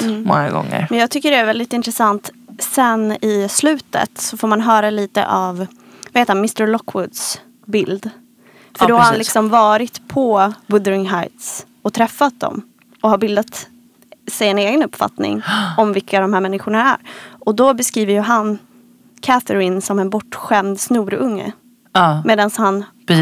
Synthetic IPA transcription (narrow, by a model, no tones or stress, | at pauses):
mɔ̰ŋa̰ɡɔ̰ŋːə̰ɾmɛnjɑːɡt̪ʏkːəɖɛæɾvɛld̪ɪt̪ɪnt̪ɾɛsant̪sɛnɪslʉ̟ːt̪ə̰t̪sɔfoːɾmanɦœːɾaliːt̪ə̰ʔav | vaheːt̪hanmɪst̪əɾlɔkʰːwʊd̪s | bɪld̪ | fœɖɔhaɾhanlɪksɔmvɑːɾɪt̪pʰɔbɵd̪əɾɪŋɦajt̪s | ɔt̪ʰɾɛfːat̪̚d̪ɔ̰m | ɔhaɾbɪld̪at̪ | sɛjɛneːɡənɵpːfa̰t̪nɪ̰ŋɔmvɪkːad̪ɔmhæːɾmɛnːɪɧʊɳaæ̰ɾɔd̪ɔbɛskɾiːvəɾjɵɦan | kʰæθəɾɪnsɔmɛnbɔʈːɧɛmd̪snuːɾɵŋːə̰ | meːd̪anshan